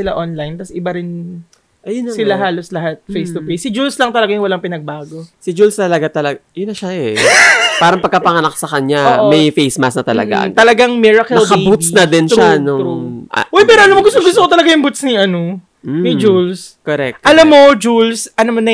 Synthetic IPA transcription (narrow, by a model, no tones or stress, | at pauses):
ɪlaʔonlajnt̪ɐsʔɪbaɾɪn | ʔɐjʊnsɪlaɦaːloslɐɦat̪̚fejst̪ʊfejsɪd͡ʒulslɐŋt̪ɐlɐɡajʊŋwɐlaŋpɪnɐɡ̚baːɡo̞sɪd͡ʒulst̪ɐlɐɡat̪ɐlɐɡjʊnːɐʃaʔɛ | paːɾɐŋpɐɡ̚kːapɐŋɐnak̚sɐkɐɲaʔmɐjfejsmasnɐt̪ɐlɐ̰ɡa̰t̪ɐlɐɡaŋmɛɹɐkɛnlkɐbut̪̚snɐd̪ɪnʃʊanʊŋṵwɛjpɛːɾoɐnomoɡʊst̪oŋɡʊs̬t̪oot̪ɐlɐɡajʊŋbut̪̚snɪʔɐno | mɐjd͡ʒulskoɾɛk̚t̪ʔɐlamːod͡ʒulsʔɐnomonɐ